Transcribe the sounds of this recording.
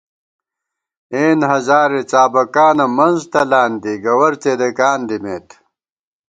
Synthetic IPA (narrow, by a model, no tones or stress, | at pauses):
eːnɦɐzaːɾet͡ɕaːbɐkaːnɐmɐnzt̪ɐlaːnd̪iɡɐwɐɾt͡ɕed̪ekaːnd̪imeːt̪